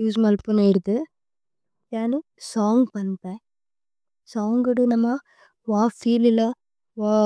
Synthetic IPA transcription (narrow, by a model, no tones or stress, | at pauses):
juːsmaːlpɯnaɪɾɯt̪ːɯ | jaːnɯ | saːŋɡpɐnːt̪ẽː | saːŋɡɪɽɯnɐmːa | ʋaːfiːlɪlɐ | ʋaː